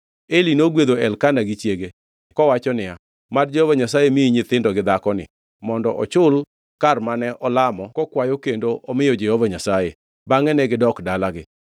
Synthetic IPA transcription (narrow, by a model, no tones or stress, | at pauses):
elinoɡwed̪oɛlkanaɡɪt͡ʃjeɡe | kɔwat͡ʃɔnɪja | madd͡ʒɛhovaɲasajemiiɲɪt̪ɪndɔɡɪd̪akɔnɪ̰ | mɔndɔʔɔ̰t͡ʃʊl | karmanɛʔɔlamɔkɔkwajokendoʔɔmɪjod͡ʒehovaɲasaje | baŋɛnɛɡɪdɔkdalaɡɪ